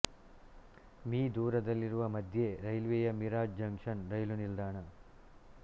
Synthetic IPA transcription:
miːd̪uːɾɐd̪ɐlːiɾuʋɐmɐd̪ʱjeɾɐjlʋeːjɐmiɾaːd͡ʒd͡ʒɐŋkʂɐnɾɐjlunild̪aːɳɐ

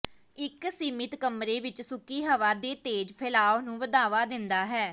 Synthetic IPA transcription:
ɪksiːmɪt̪kəmɾeːʋɪt͡ʃsʊkiːɦəʋaːd̪eːt̪eːd͡ʒpʰɪlaːonũːʋəd̪aːʋaːd̪ɪnd̪aːɦɛː

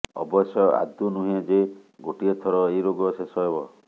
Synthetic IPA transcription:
ɔ̰bɔsjɔa̰d̪unuɦĩãd͡ʒeɡoʈiet̪ʰɔɾɔejɾoɡɔsesɔɦebɔ

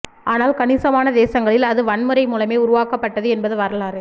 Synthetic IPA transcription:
ʔaːnaːlkɐnɪsɐmaːnɐd̪eːsɐŋɡɐɭɪlɐðɯʋɐnmɯɾɐɪmuːlɐmeːʊɾʊʋaːkɐpːɐʈːɐðɯɛnbɐðɯʋɐɾɐlaːɾ

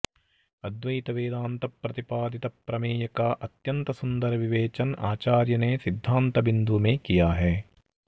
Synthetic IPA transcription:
ɐd̪ʋɐjt̪ɐʋeːd̪aːnt̪ɐpɾɐt̪ipaːd̪it̪ɐpːɾɐmeːjɐkaːʔɐt̪jɐnt̪ɐsund̪ɐɾɐʋiʋeːt͡ʃɐnʔaːt͡ʃaːɾjɐneːsid̪ʱːaːnt̪ɐbind̪umẽːkijaːɦɛː

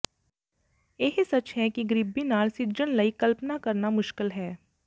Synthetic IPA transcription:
eɦsɐt͡ʃɦɛkiɡɾibːinaːlsɪɾd͡ʒənlɐikɐlpnakɐɾnamʊʃkɪlɦɛː

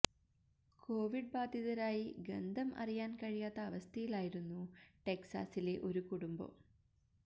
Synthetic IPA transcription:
ko̞ːʋiɖ̚baːd̪ʱjiðɐɾaːjiɡɐnd̪ʱɐmɐ̰rijaːnkɐɻijaːt̪ːɐːʋɐst̪ʰɐjilaːjiɾunːuʈe̞ksa̰ːsile̞ʔo̞ɾukuɽumbo̰

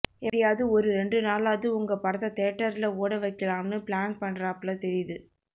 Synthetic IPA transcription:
ɛɽɪjaːðɯɔɾɯɾɛɳɖrɯnaːlaːðɯʊŋɡɐpɐɽɐðɐt̪eːʈːɐɾɪlɐoːɽɐʋɐɪkːɐlaːmnɯpɭaːnpɐnɾaːpːɭɐt̪ɛɾɪjðɯ

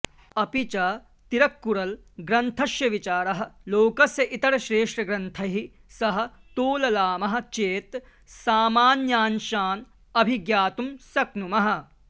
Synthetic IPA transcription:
ɐpit͡ʃɐ | t̪iɾɐkːuɾɐlɡɾɐnt̪ʰɐʃjɐʋit͡ʃaːɾɐɦɐ̆loːkɐsjɐʔit̪ɐɾɐʃɾeːʂʈɾɐɡɾɐnt̪ʰɐɦi | sɐɦɐ̆t̪oːlɐlaːmɐɦɐ̆t͡ʃeːt̪ | saːmaːnjaːnʃaːn | ɐbʱiɡjaːt̪umsɐknumɐɦɐ̆

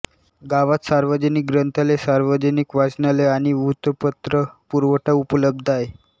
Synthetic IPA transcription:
ɡaʋat̪saɾʋəd͡ʑənik̚ɡɾənt̪ʰalesaɾʋəd͡ʑənikʋat͡sɳaleaɽ̃iʋut̪əpət̪ɾəpuɾʋəʈaupələb̚d̪ʱae

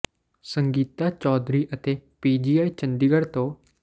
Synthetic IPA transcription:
sə̃ŋɡiːt̪at͡ʃɔːd̪ɾiːʔət̪eːpiːd͡ʒiːaːit͡ʃə̃nd̪iɡəɽt̪õː

